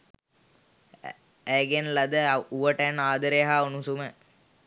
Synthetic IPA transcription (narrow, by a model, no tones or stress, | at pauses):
æɡenlɐd̪əuʋəʈənaːd̪əɾeɦaunusumə